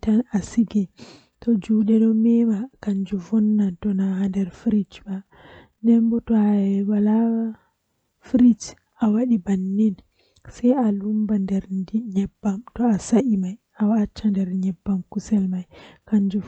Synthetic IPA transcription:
tanasiɡɛ | tɔd͡ʒuːɗɛɗɔmɛmakaɲd͡ʒuvɔnːatɔnahandɛɾfɾit͡ʃba | nɛmbɔtɔaɛwalawa | fɾit͡ʃ | awaɗibanːin | sɛjalumbandɛɾdiɲɛbːamtɔasaʔimaj | awat͡ʃːandɛɾɲɛbːamkusɛlmajkaɲd͡ʒu

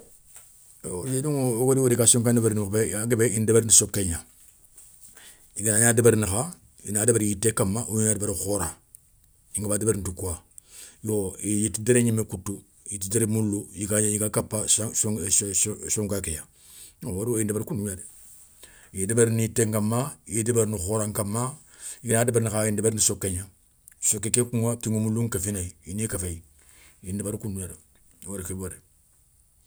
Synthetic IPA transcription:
jeduŋwoɾiwoɾikasoŋkandabaɾnubeaɡebeindabeɾnisokːeɲa | iɡanaɲadabaɾnaxa | ḭnadabaɾjitːekamːaʔuɲuɲadbaɾxoɾa | iŋɡabadabeɾntukua | joijitideɾeɲimekutːu | jitideɾemulːujikaɲjikakapːas | soŋkakeja | owaɾojindebaɾkunduɲaɾe | jidebeɾniteŋkamːajidebeɾnixoɾaŋkamːa | jinadebaɾnikaindbeɾnisokːeɲa | sokːekekuŋatiŋomuluŋkafinaiinikafei | indebaɾkunduɲaɾe | waɾkebaɾe

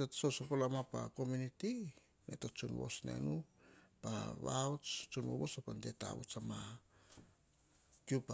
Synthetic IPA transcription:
esosopolamapa̰ko̞muniti | netot͡ʃunwo̞̰snḛnupaβaot͡ʃt͡ʃunβo̰βosopandeta̰βṵt͡ʃama | kjupa

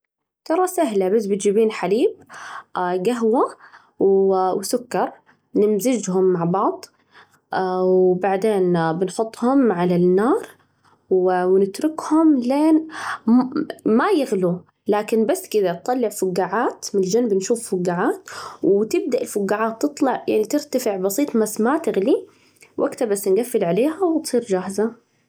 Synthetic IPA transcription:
t̪ɑɾˤɑsaɦlabasbɪt̪d͡ʒibiːnħaliːb̚ | ɡaɦwa | wwsʊkːɑɾˤ | nɪmzɪd͡ʒhʊmːaʕbɑʕd̪ˤ | wbaʕd̪eːnbɪnħʊt̪ˤːhʊmʕalanːɑːɾˤ | wwnɪt̪ɾɪkhʊmleːn | majɪɣlu | laːkɪnbasːkɪd̪at̪t̪ˤːɑlːɪʕfʊɡːaːʕaːt̪mɪnɪld͡ʒanbɪnʃuːffʊɡːaʕaːt̪wt̪ɪb̚d̪aʔɪlfʊɡːaːʕaːt̪ːɨt̪ˤlɑʕjaʕnit̪ɪɾt̪afɪʕbɑsˤiːt̪ˤmasmat̪ɪɣli | wʔa̰ɡt̪abasːnɡafːɪlʕaleːhawɪt̪sˤiːɾd͡ʒaːhza

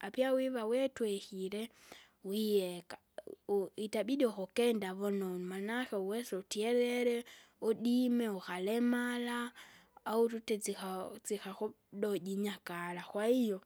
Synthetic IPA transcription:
apjawiβawɛtwɛhiɾɛ | wiɛka | itabidɔxokɛndaβɔnonmanaxeuwɛsutiɛɾɛɾɛodimɛuxalɛmalaː | ututɛt͡siat͡sixaxu | ɗoɟiɲakalaxwaijo

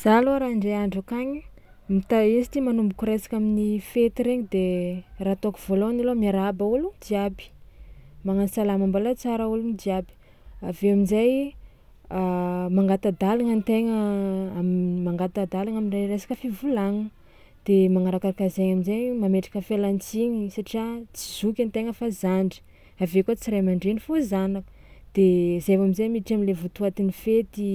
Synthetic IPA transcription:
z̥aloaɾaɳɖ͡ʐeaɳɖ͡ʐakaɲi | mit̪aisi̥t̪imanumbukuɾesḁkaminifet̪iɾeɲid̪erat̪okuv̥oloanilomiaɾabaulud̪iabi̥ | maŋanisalamambalat͡saɾaulunid̪iabi̥ | aveaminzaj | amaŋɡat̪ad̪alaŋənt̪eŋəamimaŋɡat̪ad̪alaŋaminrajresḁkəfivulaŋə | d̪̥emaŋaɾakakazeɲaminzajmameʈ͡ʂḁkəfelant͡siɲisaʈ͡ʂiat͡si̥z̥ukʲant̪eŋəfazaɳɖ͡ʐi̥ | avekot͡siɾajmaɳɖ͡ʐenifozanakə̥ | d̪̥ezevaminzajmiʈ͡ʂaminlevut̪uat̪inifet̪i

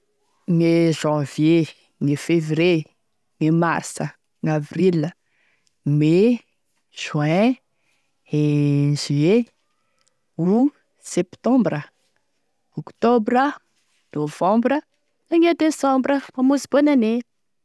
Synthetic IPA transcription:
ŋeʒɑ̃vje | ŋefevre | ŋemarsə | ŋavrilə | me | ʒ̥ɛ̃ | ezie | u | sɛpt̪ɔ̃mbrə | okt̪obrə | nov̥ɑ̃mbrə | aŋed̪esɑ̃mbrəmamuzib̥onane

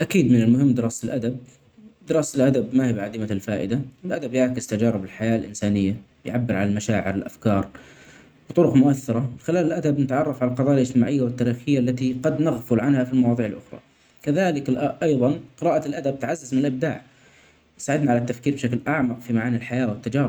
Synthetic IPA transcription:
ʔakiːd̪mɪnɪlmʊɦɪmːd̪ɪɾɑːsɪlʔad̪ab̚ | d̪ɪɾɑːsalʔad̪abmahiːbʕad̪iːmaɪlfaːʔɪ̰d̪aɪlʔad̪abjaʕkɪz̥t̪ad͡ʒɑːɾɪbɪlħajaːlʔɪnsaːnɪjːa | ɪjʕabːɪɾʕa̰lalmaʃaːʕɪ̰ɾɪlʔa̰fkɑːɾˤ | bɨt̪ˤʊɾʊqmʊʔaθːɑɾˤɑɪxɪlaːlɪlʔad̪abnɪt̪ʕɑrˤːɑfʕalalqɑðˤɑːjalʔɪd͡ʒt̪ɪmaːʕɪjːawɪt̪ːaːɾiːxɪjːaʔlːat̪iqɑd̪nɑɣfʊlʕanhafilmɑwɑːðˤiːʕɪlʔʊ̰xɾˤɑ̰ | kaðaːlɪkʔɑjðˤɑnqɨɾɑːʔalʔad̪ab̚t̪ʕazːazmɪnɪlʔɪb̚d̪a̰ːʕ | nsaːʕɪd̪naʕalat̪ːafkiːɾbɪʃaklʔɑʕmɑqfimaʕaːnɪlħajaːwɪt̪ːad͡ʒɑːɾɪb

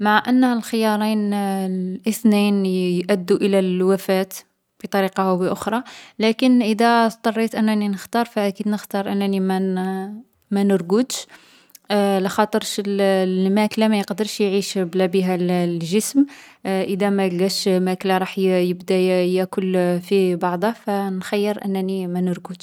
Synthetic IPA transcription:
maʕʔənːhəlxəjɑɾˤin | ʔəθninjʔæd̪ːuʔəlælwæfæt̪ | bit̪ˤɑɾiqɑhwəʔʊxɾˤɑlækənʔəd̪æt̪ˤɑrˤːit̪ʔənːæninəxt̪ɑɾˤfæʔækid̪nəxt̪ɑɾˤʔənːænimæ | mænəɾˤɡʊd̪ʃ | ləxɑt̪ˤəɾʃəlmæklamæjəqd̪əɾʃjʕiʃblæbiɦællʒəsmʔəd̪æmæjɡæʃmæklaɾˤɑħjəbd̪æjækʊlːfibɑʕd̪ˤɑfænxɑjːəɾʔə̰nːænimænəɾɡəd̪

